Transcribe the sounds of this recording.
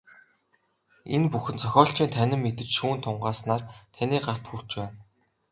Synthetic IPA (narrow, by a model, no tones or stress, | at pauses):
enpuxɘ̆nt͡sʰɔxʲɔːɬt͡ɕiːnt̪ʰænʲɪ̆mːet̪ɘ̆t͡ɕʃuːnt̪ʰʊɴɢaːsnaːrt̪ʰanʲiːɢar̥t̪xur̥t͡ɕpæːn